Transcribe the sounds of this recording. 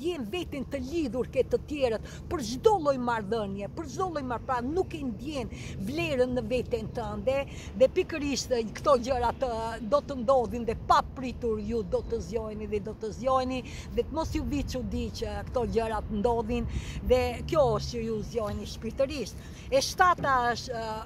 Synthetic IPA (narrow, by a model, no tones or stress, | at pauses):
d̪jɛnvɛt̪int̪əliðuɾkɛt̪ət̪jɛɾət̪ | pəɾʒd̪ɔlˠɔjmaɾðənjɛpəɾʒd̪ɔlˠɔjmaɾpɾanukɛnd̪jɛnvlɛɾənːəvɛt̪ɛnt̪əənd̪ɛ | ðɛpikəɾiʃt̪kt̪ɔɟəɾat̪əd̪ɔt̪ənd̪ɔðinðɛpapɾit̪uɾjud̪ɔt̪əzjɔjniðɛd̪ɔt̪əzjɔjni | ðɛt̪əmɔsjuvit͡ʃud̪it͡ʃkt̪ɔɟəɾat̪ənd̪ɔðinðɛkjɔəʃt̪əjuzjɔjniʃpiɾt̪əɾiʃt̪ | ɛʃt̪at̪aəʃ